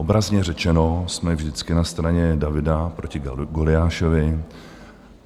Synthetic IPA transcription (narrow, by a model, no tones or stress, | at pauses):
ʔobɾazɲɛrɛt͡ʃɛno̞smɛvʒdɪt͡skɪnast̪ɾaɲɛdavɪdapɾo̞cɪɡolɪaːʃovɪ